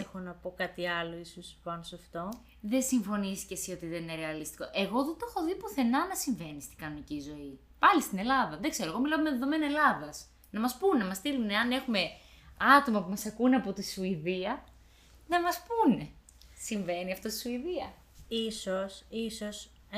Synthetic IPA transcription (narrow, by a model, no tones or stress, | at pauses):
exonɐpo̞kɐt̪iɐloisuspɐnosɐft̪o̞ | ðe̞siɱfo̞nisi̥cesio̞t̪iðenineɾe̞ɐlist̪i̥ko̞ʔe̞ɣo̞ðet̪oxoðipoθe̞nɐnɐsiɱve̞nist̪iɡɐnonicizo̞i | pɐlist̪ine̞lɐðɐðekse̞ɾoeɣo̞milommeðeðo̞me̞nɐelɐðɐs | nɐmɐspunenɐmɐst̪iluneɐne̞xume̞ | ɐt̪o̞mɐpumɐsɐkuneɐpo̞t̪isuiðiɐ | nɐmɐspune̞ | siɱve̞niɐft̪ost̪i̥suiðiɐ | isosiso̞s